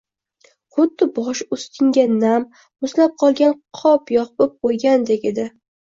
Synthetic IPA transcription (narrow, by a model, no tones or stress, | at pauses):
χʊd̪ːɪbɒʃʊst̪ʰɪŋɡʲanamː | ʊzlap̚qʰɒlˠɡʲanqʰɒpjɒqbop̚qʰojɡʲand̪ekʲed̪ɪ